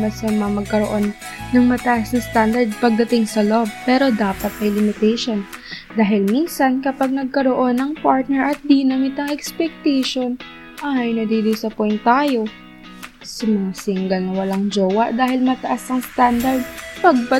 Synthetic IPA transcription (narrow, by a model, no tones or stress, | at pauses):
mɐsɐmɐmɐɡ̚kɐɾoʔo̞nːɐŋmɐt̪ɐʔasnɐst̪and̪ɐɹd̪̚pɐɡ̚d̪ɐt̪ɪŋsɐlob̚pɛːɾo̞d̪aːpɐt̪̚mɐjlɪmɪt̪ɛjʃo̞nd̪aːɦɪlminsɐnkɐpɐɡ̚nɐɡ̚kɐɾoʔo̞nɐŋpaɹt̪̚nɛɹʔɐt̪̚d̪inɐmɪt̪ɐŋɛkspɛk̚t̪ɛʃo̞n | ʔajnɐd̪iːd̪ʊsɐpɛjntt̪ːaːjo̞ | sɐmɐŋasiŋɡɐlnɐwɐlaŋd͡ʒoːwɐʔd̪aːɦɪlmɐt̪ɐʔasɐŋst̪and̪ɐɹd̪̚pɐɡ̚pɐ